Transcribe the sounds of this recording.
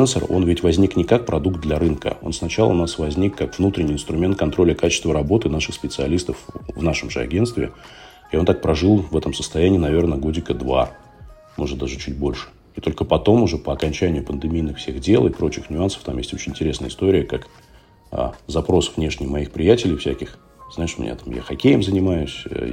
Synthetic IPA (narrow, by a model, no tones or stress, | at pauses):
ɛnsəro̞̰nvʲɪtʲvɐzʲnʲiknʲɪkak̚pɾɐd̪ukt̪̚d̪lʲɐɾɨnkə̰o̞̰nsnɐt͡ɕalˠə̰ʊnasvɐzʲnʲikːakv̥nut̪ɾʲɪnʲɪiːɪnst̪ɾʊmʲe̞nt̪̚kɐnt̪ɾo̞lʲəkat͡ɕɪst̪vəɾɐbo̞t̪ɨnaʂɨxspʲɪt̪sɨɐlʲist̪əfvnaʂəmʐɨɐ̰ɡʲe̞nt̪t̪vʲɪ̰ | ɪot̪ak̚pɾɐʐɨlˠvɛt̪əmsə̥st̪ɐjænʲɪːnɐvʲe̞rnəɡodʲɪkəd̪va̰ | mʔo̞ʐɨt̪d̪aʐɨt͡ɕut̚ʲbo̞lʲʂɨ̥ | it̪o̞lʲkəpɐt̪o̞mʊʐɛpəɐkɐnʲt͡ɕænʲɪjʊpənd̪ɨmʲijnɨxfsʲeɣdʲe̞lˠɪpɾo̞t͡ɕɪxnʲʊansə̥ft̪amjesʲtʲo̞t͡ɕɪnʲɪnʲtʲɪɾʲe̞snəjəɪst̪oɾʲɪjəkak | ə̰zɐpɾo̞svnʲe̞ʂnʲɪjmɐixpɾʲɪjætʲɪlʲɪjfsʲækʲɪx | znaɪʂmʲɪ̰nʲʔa̰t̪amja̰xɐkʲejɪmzənʲɪmajʊsʲ